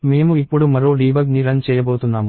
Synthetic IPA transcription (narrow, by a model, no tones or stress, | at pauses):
meːmuipːuɽumɐɾoːɖiːʋɐlniɾɐnt͡ʃɛːjɐboːt̪unːaːmu